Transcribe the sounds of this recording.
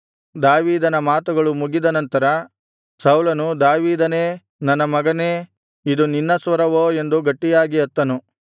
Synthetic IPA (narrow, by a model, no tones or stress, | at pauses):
d̪aːʋiːd̪ɐnɐmaːt̪uɡɐɭumuɡid̪ɐnɐnt̪ɐɾɐ | sɐwlɐnud̪aːʋiːd̪ɐne̞ː | nɐnːɐmɐɡɐneː | id̪uninːɐsʋɐɾɐʋoːe̞nd̪uɡɐʈːijaːɡiɐt̪ːɐnu